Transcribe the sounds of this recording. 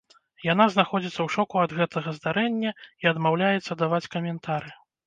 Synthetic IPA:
jan̪aznaxɔd͡zʲit̪sːɐwʂɔkuɐd̪ɣɛt̪ʰɐɣɐzd̪aɾɛnʲːɐiɐd̪mawlʲajɛt̪sːɐd̪avat͡sʲkɐmʲɛnt̪ʰaɾɨ

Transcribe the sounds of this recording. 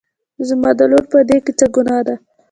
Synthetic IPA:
zmɑd̪aloɾpəd̪ekɪt͡saɡʊnɑd̪a

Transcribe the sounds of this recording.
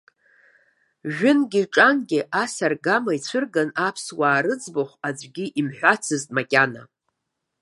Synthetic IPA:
ʒᶣʏnɡʲiʈ͡ʂʼanɡʲɪʔasarɡamait͡sʷʰɨrɡanapʰswaːɾɨd͡zboχʷad͡ʒʷʼɡʲiʔimħᶣʷat͡sʰɨztʼmakʲʼana̰

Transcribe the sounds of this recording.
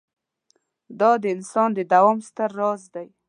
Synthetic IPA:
d̪ɑd̪əɪnsɑnd̪əd̪awɑmst̪əɾːɑzd̪aj

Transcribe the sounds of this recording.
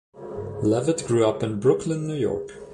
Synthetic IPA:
lɛvɨtɡ̥ɹʉʌpɨ̃nbɹʊkʰlə̃nːʉjɔ̰ɹk

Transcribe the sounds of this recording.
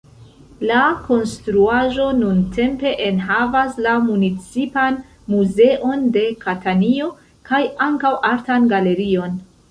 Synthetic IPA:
lako̞nstɾuaʒo̞nuntʰe̞mpe̞ʔenɦavaslamunit͡sipan | muze̞ʔo̞nde̞katanio̞ | kajaŋkawʔaɾtanɡale̞ɾio̞n

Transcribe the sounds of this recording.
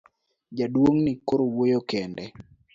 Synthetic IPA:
d͡ʒadwoŋnikoɾowojokɛndɛ

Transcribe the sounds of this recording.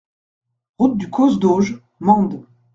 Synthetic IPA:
ʁut̪̚d̪ykʰɔzd̪oʒ | mɑ̃d̪

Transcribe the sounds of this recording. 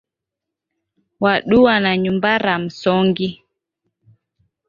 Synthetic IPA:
waɗuwanaɲumbaɾam̩sɔŋɡi

